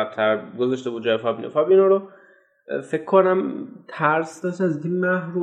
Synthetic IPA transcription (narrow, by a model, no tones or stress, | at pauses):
æb̚t̪ʰæɾɡozɒʃt̪e̞bud̪d͡ʒɒːefɒːbinʔo̰fɒːbinoɾo | fe̞kʰːonæmt̪ʰæɾsd̪ɒʃæzd̪inmæhɾu